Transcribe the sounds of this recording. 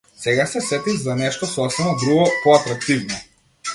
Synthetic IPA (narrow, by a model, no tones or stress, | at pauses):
sɛɡasɛsɛt̪izanɛʃt̪ɔsɔsɛmad̪ɾuɡɔpɔat̪ɾak̚t̪ivnɔ